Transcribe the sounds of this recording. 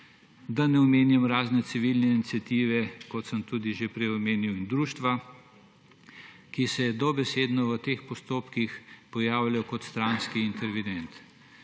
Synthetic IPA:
d̪anɛɔmeːnjɛmɾaːznɛsiʋilnɛinit̪sjat̪iːʋɛkɔt̪səmt̪ud̪iʒepɾɛjɔmeːniwind̪ɾuʃt̪ʋa | kisɛd̪ɔbɛseːd̪nɔʋət̪eːxpɔst̪oːpkixpɔjaːwlajɔkɔt̪st̪ɾaːnskiːnt̪ɛɾʋid̪ɛnt̪

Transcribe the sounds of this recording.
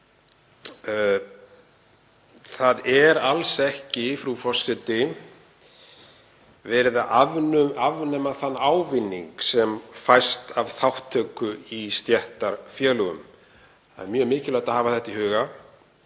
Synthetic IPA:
θaðɛɾalsɛhcɪfɾufɔrsɾɪt̪ɪ | vɛːɾɪðaʔavnʏavnɛmaθanːaːwvɪnːiŋksɛmfajst̪av̥θawht̪ʰːœːkʏist̪jɛht̪aɾ̥fjɛːlʏɣʏ̰m | a̰ðɛɾmjœːmɪːcɪlajt̪aɦaːvaθɛht̪ihʏːɣa

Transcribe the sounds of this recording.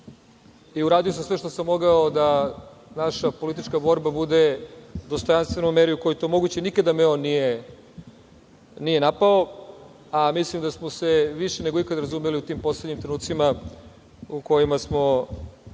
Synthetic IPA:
iuɾaːd̪ijosamsʋeʃt̪o̞samːo̞ɡaod̪a | naʃapo̞lit̪̬it͡ʃkabo̞ɾbabud̪ed̪o̞st̪o̞janst̪ʋe̞nojmeɾiuko̞jot̪omo̞ɡut͡ɕenikad̪amio̞nːije | nije̞napao | amislimd̪asmo̞seʋiʃeneɡo̞ikad̪aɾazumeliut̪iːmpo̞sleɲimt̪ɾenuːt̪sima | uko̞jimasmo̞

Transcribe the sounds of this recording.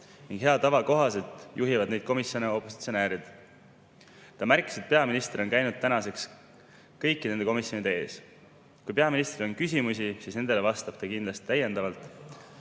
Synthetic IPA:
niŋɡ̥ɦeɑt̪ɑvɑko̞ɦɑse̞lt̪ˑjuɦivɑd̪ne̞jd̪̚ko̞misjo̞neo̞pːˑo̞si̥t̪sio̞neːɾid̪̥ | t̪ɑmærkːˑi̥se̞t̪̚peɑminist̪ro̞nkæjnud̪̚t̪ːænɑse̞ks | kɤjkːˑinend̪eko̞misjo̞nid̪ee̞ːs | kujpeɑminist̪rio̞nkys̬ʲimus̬isiːsnend̪̥e̞levɑst̪ɑb̥t̪ɑkind̪lɑst̪i̥t̪æjːe̞nd̪ɑvɑlt̪ˑ

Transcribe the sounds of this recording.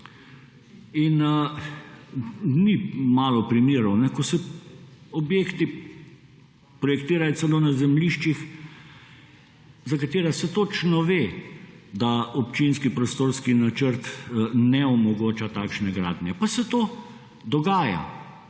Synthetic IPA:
in | nimaːlɔpɾimiːɾɔwnɛkɔsɛ | ɔbjeːkt̪i | pɾɔjɛkt̪iːɾajɔt͡ssɛloːnazɛmliʃt͡ʃix | zakat̪eːɾasɛt̪ot͡ʃnɔʋeːd̪aɔpt͡ʃinskipɾɔst̪oːɾskinat͡ʃəɾt̪nɛɔmɔɡoːt͡ʃat̪aːkʃnɛɡɾa̰ːd̪nʲjɛpasɛt̪oː | d̪ɔɡaːja̰

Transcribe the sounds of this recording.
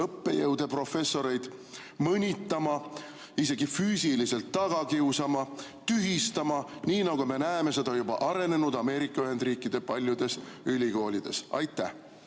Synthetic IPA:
ɤpːe̞jɤwd̪̥e̞pro̞fe̞sːo̞ɾe̞jd̪̥ | mɤnʲit̪ːˑɑmɑ | ise̞ɡ̥ifyːsilise̞lt̪ːɑɡ̥ɑkiusɑmɑt̪yɦist̪ɑmɑniːnɑɡ̥ume̞næemese̞d̪ɑjubɑʔɑɾe̞ne̞nud̪̥ɑme̞ːɾikːˑɑyɦe̞nd̪riːkːˑid̪̥e̞pɑlʲjud̪̥e̞sylʲiko̞ːlʲid̪̥e̞̰sɑ̰jt̪ːˑæh

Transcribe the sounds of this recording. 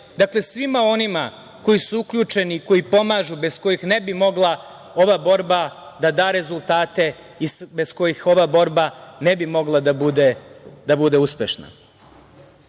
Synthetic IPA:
d̪akle̞sʋimao̞nima | ko̞jisuukʎuːt͡ʃe̞niːko̞jipo̞maːʒube̞sko̞jixne̞bimo̞ɡlˠa | o̞ʋabo̞ɾba | d̪ad̪aːɾe̞zulˠt̪aːt̪e̞ | isbe̞sko̞jixo̞ʋabo̞ɾbane̞bimo̞ɡlˠad̪abud̪ed̪abud̪e̞uspe̞ʃna̰

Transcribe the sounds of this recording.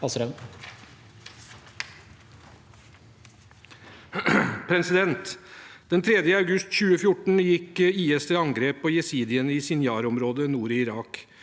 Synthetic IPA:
ɑsɾɛ | pʰɾɛsɪd̪ɛnt̪d̪̥ɛnt̪ʰɾɛd̪jəɑʉɡʉst̪çʉːəfjʊʈɳ̩jɪkːiːɛst̪əɾɑŋɡɾeːpːoːjɛsiːd̪ɪəniːsɪnjɑːɾɔmɾoːd̪ənuːɾɪɾɑːk

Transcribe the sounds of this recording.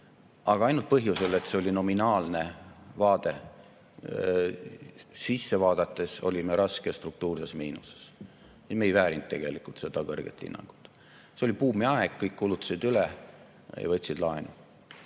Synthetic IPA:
ɑɡ̥ɑɑjnult̪̚pɤɦjuse̞le̞t̪se̞o̞lʲino̞minɑːlne̞vɑːd̪̥e̞ | sisːe̞vɑːd̪̥ɑt̪ːˑe̞so̞̰lʲimeɾɑskest̪ruk̚t̪uːrsesmiːnuse̥s | sisme̞jvæːɾint̪t̪ːe̞̰ɡ̥e̞likult̪se̞d̪̥ɑkɤrɡ̥ḛt̪ːˑḭnːɑ̰ŋɡ̥u̥t̪ːˑ | seo̞lʲipuːmiɑeɡ̥kːɤjkːulut̪ːˑɑ̥sid̪yle | jɑ̰vɤt̪ʲsid̪lɑenu

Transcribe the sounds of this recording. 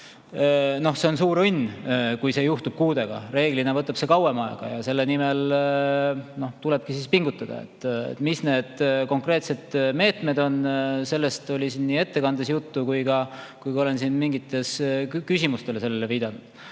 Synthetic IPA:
no̞hse̞o̞nsuːɾunʲkujse̞ːjuht̪ub̥kuːd̪e̞ɡ̥ɑ̰re̞ːɡ̥line̞vɤt̪ːˑɑb̥se̞kɑwe̞mɑḛɡ̥ɑ̰jɑse̞lːenimel | no̞ht̪ule̞b̥̚kisispiŋɡ̥ut̪ːˑɑd̪̥ɑ̰ḛt̪ːḛt̪ːˑmisne̞ːd̪̥ko̞ŋkre̞ːt̪se̞d̪̥me̞ːt̪me̞d̪o̞nse̞lːe̞st̪o̞lʲisiːnːiːe̞t̪ːe̞kɑnd̪̥esjut̪ːukujɡɑkujko̞le̞nsinmiŋɡ̥it̪ːˑe̞skysʲimust̪e̞lese̞lːele̞viːd̪ɑnud̪̥

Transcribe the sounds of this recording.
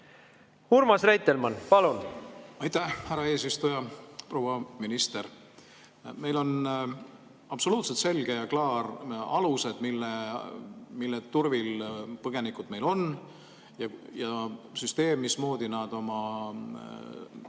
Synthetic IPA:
huɾmɑsrejt̪ːelmɑnpɑlunɑjt̪æhhæɾɑe̞ːsist̪ujɑpro̞ːwɑminist̪e̞r | me̞jlo̞n | ɑpso̞luːt̪set̪se̞lɡ̥ejɑklɑːrɑluse̞d̪̥milːe | milːet̪urvilpɤɡ̥e̞nikːˑud̪̥me̞jlo̞n | jɑjɑsyst̪e̞ːmːismo̞ːd̪̥inɑd̪̥o̞mɑ

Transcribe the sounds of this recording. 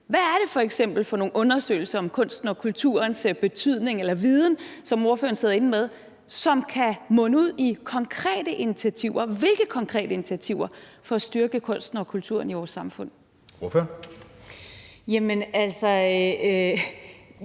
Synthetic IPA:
ʋææɐɾ̥e̝fɒ̽eɡ̥sem̰b̥l̩fɒ̽no̝ːn̩ɔ̽nɐsø̰ːɪl̩sɐɒ̽mkʰɔ̽n̰sd̥n̩ɒ̽kʰult͡sʰṵɐnsb̥e̝t͡sʰyð̞̰ˠne̝ŋelɐʋið̞ˠn̩sɒ̽mo̝ɐfø̰ːɐnse̝ð̰ˠe̝nmeð̞ˠ | sɒ̽mkʰæmɔ̽nəuð̞̰ˠikʰɒ̽ŋkʰʁɛ̰ːɾəʔinit͡sʰiæt͡sʰiʊɐʋe̝lɡ̥əkʰɒ̽ŋkʰʁɛ̰ːd̥əinit͡sʰiæt͡sʰiʊ̰ɐfɒ̽æsd̥yɐɡ̥əkʰɔ̽n̰sd̥n̩ɒ̽kʰult͡sʰṵɐ̰niʋɒːsːɑ̈mfɔ̽n̰ | oɐføɐ | jæmənælsɒ

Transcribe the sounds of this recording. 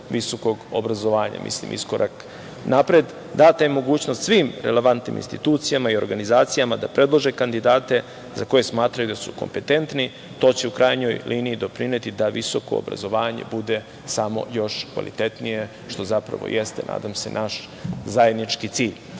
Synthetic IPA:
ʋiso̞ko̞ɡo̰bɾazo̞ʋaːɲa̰mʔḭslḭmʔḭsko̞ɾʔak | napɾed̪ | d̪at̪ajemo̞ɡuːt͡ɕnost̪sʋiːmɾele̞ʋant̪nḭmḭnst̪it̪uːt̪sijamaio̞ɾɡanizaːt̪sijamad̪apɾe̞d̪lˠoʒekand̪id̪aːt̪e̞ | zako̞je̞smaːt̪ɾajud̪asukompe̞t̪e̞nt̪ni | t̪o̞ːt͡ɕe̞ukɾajɲo̞jlʔiːniːd̪o̞pɾinet̪id̪aʋiso̞ko̞̰o̰bɾa̰zoʋaːɲe̞̰bud̪e̞ | samo̞̰jo̞ʃkʋa̰lḭt̪e̞t̪nije̞ | ʃt̪o̞zapɾa̰ʋo̞̰jʔest̪e̞̰nʔa̰ːd̪amse̞̰nʔaʃ | zaje̞d̪nit͡ʃkit̪siːʎ

